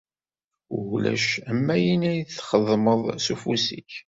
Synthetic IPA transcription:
ʊlæ̰ʃæmːæjinæjθχəðˤməðˤsufusiç

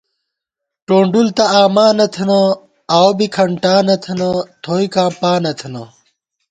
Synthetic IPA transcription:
ʈoːɳɖult̪ɐaːmaːnɐt̪ʰɐnɐ | awbikʰɐɳʈaːnɐt̪ʰɐnɐt̪ʰoːikaːmpaːnɐt̪ʰɐnɐ

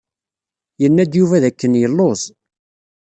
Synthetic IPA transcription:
jənːæd̪juvæðækːənjəlːoz

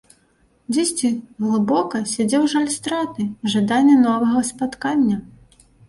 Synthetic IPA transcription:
d͡zʲɛsʲt͡sʲiɣlˠɨbɔkɐsʲad͡zʲɛwʐalʲst̪ɾat̪ɨʐad̪anʲːɛnɔvɐɣɐspat̪kanʲːɐ

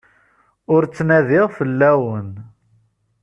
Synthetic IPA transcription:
ʊɾt͡sːnæðɪʁfəlːæwən

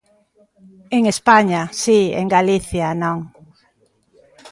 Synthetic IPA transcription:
eŋespaɲasiḛŋɡaliθjanõŋ

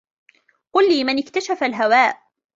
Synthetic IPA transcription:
qʊlːiːmɪnɪkt̪aʃafalɦawaːʔ

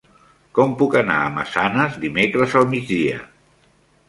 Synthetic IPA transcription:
kɔmpukəna̰əmə̰sanəzd̪imekɾəzəlˠmid͡zðiə̰

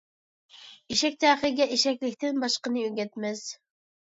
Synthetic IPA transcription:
iʃɛk̚ʲt̪ʰæːχəɡʲɛʔeʃɛkʲlɪkʲt̪ɪnbɑʃqənɨøɡʲɛt̪mɛz̥

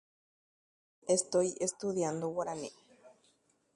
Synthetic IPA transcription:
est̪ojest̪uðjand̪owaɾanḛ

